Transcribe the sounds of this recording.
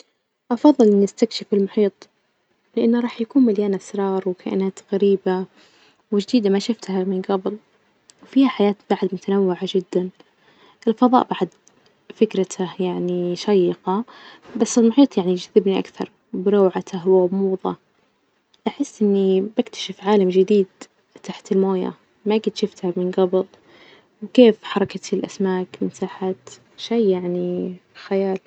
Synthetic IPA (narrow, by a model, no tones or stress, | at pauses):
ʔɑfɑðˤːɨlʔɪnːɪst̪akʃɪfɪlmʊħiːt̪ˤ | lɪʔanːaɾˤɑːħjakuːnmaljaːnasɾˤɑːɾˤwkʰa̰ʔɪnaːt̪ɣaɾiːba | wɪʒd̪iːd̪amaʃʊft̪hamɪnɡabɪl | wfiːhaħajaːt̪b̥aʕd̪mʊt̪anawːɪʕad͡ʒɪd̪ːan | ʔɪlfɑðˤɑ̰ːʔbaʕd̪ | fɪkɾat̪ʰahjaʕniʃajːɪqɑbasːɪlmʊħiːt̪ˤjaʕnid͡ʒaðːɪbniʔa̰kθɑ̰ɾˤ | bɪɾɑːʕat̪ʰaɦwamuːðˤɑ̰ | ʔaħɪsːʔɪnːibakt̪ʰḁʃɪfʕaːlamd͡ʒɪd̪iːd̪ | t̪aħt̪ɪlmoːja̰ | maʔɡɪd̪ʃɪft̪hamɪnɡɑblˤ | wkeːfħɑɾˤɑkat̪ɪlʔa̰smaːkmɪnsaːħat̪ | ʃajːjaʕnixajaːl